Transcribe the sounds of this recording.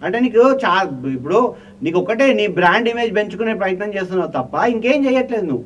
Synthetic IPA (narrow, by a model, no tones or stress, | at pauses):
ɐɳʈe̞ːniːkut͡ʃaːipːuɽu | niːkɔkːɐʈeːniːbɾaːɳɖime̞ːd͡ʒpe̞ɲt͡ʃukuneːpɾɐjɐt̪nɐmt͡ʃeːst̪unːaːut̪ɐpːɐiŋke̞ːmt͡ʃɛːjɐʈle̞ːd̪unu